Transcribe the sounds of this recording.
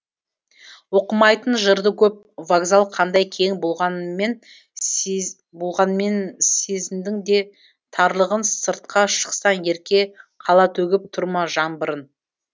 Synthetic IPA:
wo̞qəmɑjt̪ənʒəɾd̪əkʲʰɵp̚vaɡzalˠqʰɑnd̪ɑjkʲʰe̞ŋbolˠʁɑnme̞n | bo̞lˠʁɑnme̞nsezɪmd̪ɪŋd̪e̞ | t̪ʰɑɾlˠəʁənsəɾt̪̚qʰɑʃə̥qsɑne̞ɾkʲe̞qʰɑlˠɑt̪ʰɵɡʲɪp̚t̪ʰʊɾmɑʒɑmbəɾən

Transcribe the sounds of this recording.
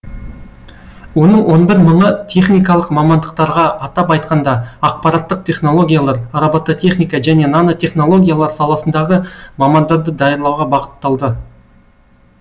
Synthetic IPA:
wo̞nəɴwo̞nbɪɾməɴət̪ʲʰe̞χnijkɑlˠəqmɑmɑnd̪əq̚t̪ɑɾʁɑːt̪ɑpɑjt̪̚qɑnd̪ɑɑq̚pɑɾɑt̪ːəq̚t̪ʰʲe̞χno̞lˠo̞ɡʲijalˠɑɾɑɾɑbɑt̪ːot̪ʰʲe̞χnijkɑʒæne̞nɑnot̪ʰʲe̞χno̞lˠo̞ɡʲijalˠɑɾsɑlˠɑsənd̪ɑʁəmɑmɑnd̪ɑɾd̪əd̪ɑjəɾlˠɑwʁɑbɑqə̥t̪ːɑlˠd̪ə

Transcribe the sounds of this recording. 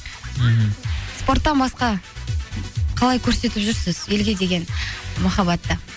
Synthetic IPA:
spo̞rt̪ːɑnbɑsqɑ | qʰɑlˠɑjkʲʰɵɾse̞t̪ɪpʒʏɾsɪz̥e̞lɡʲe̞d̪e̞ɡʲe̞nmɑχɑbɑt̪ːə

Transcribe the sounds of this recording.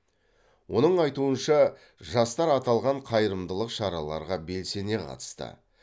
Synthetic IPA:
wo̞nəɴɑjt̪uənʃɑ | ʒɑst̪ɑɾɑt̪ɑlˠʁɑɴqʰɑjəɾəmd̪əlˠəqʃɑɾɑlˠɑ̰ɾʁɑbe̞lse̞ne̞qʰɑ̰t̪ə̥st̪ə̰

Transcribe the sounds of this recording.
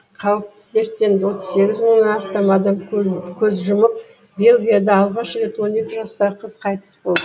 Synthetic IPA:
qʰɑwəp̚t̪ɪd̪e̞ɾt̪ːe̞nd̪ɪwo̞t̪əz̥se̞ɡʲɪzməɴnɑnɑst̪ɑmɑd̪ɑmkʲʰɵzʒʊməp̚ | be̞lʲɡʲijad̪ɑɑlˠʁɑʃɾe̞t̪wo̞ne̞kʲɪʒɑst̪ɑʁəqʰəz̥qʰɑjt̪ə̥sbo̞lˠd̪ə

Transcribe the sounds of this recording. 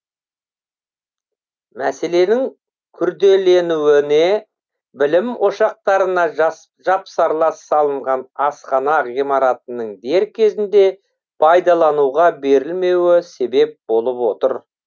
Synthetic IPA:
mæse̞le̞nɪŋ | kʲʰʏɾd̪e̞le̞nuwɪne | bɪlɪmwo̞ʃɑq̚t̪ɑɾənɑʒ | ʒɑpsɑɾlˠɑsːɑlˠəɴʁɑnɑsqɑnɑʁimɑɾɑt̪ənəɴd̪e̞ɾkʲʰe̞zɪnd̪e̞ | pʰɑjd̪ɑlˠɑnuʁɑbe̞ɾɪlme̞wɪse̞be̞p̚bo̞lˠəpwo̞t̪əɾ

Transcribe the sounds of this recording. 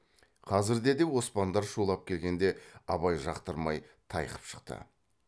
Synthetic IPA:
qʰɑzɪɾd̪e̞d̪e̞wo̞spɑnd̪ɑɾʃulˠɑp̚kʲʰe̞lɡʲe̞nd̪e̞ɑβɑjʒɑqt̪əɾmɑjt̪ʰɑ̰jqə̥pʃə̥qt̪ə̰

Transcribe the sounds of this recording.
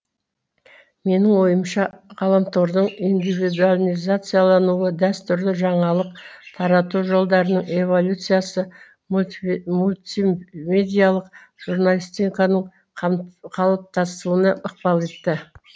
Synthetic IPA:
me̞nɪŋwo̞jəmʃɑʁɑlˠɑmt̪o̞ɾd̪əɴind̪ivid̪ualʲijzat̪sɨjalˠɑnuəd̪æst̪ʏɾd̪ɪʒɑɴɑlˠəqt̪ʰɑɾɑt̪uʒo̞lˠd̪ɑɾənəɴe̞vo̞lʲut̪sɨjasə | mulʲt̪ime̞d̪ijalˠəq̚ | ʒ̥uɾnalʲijst̪iŋkɑnəɴ | ɑqʰɑlˠəp̚t̪ɑst̪uənɑʔəq̚pɑlˠe̞t̪ːɪ

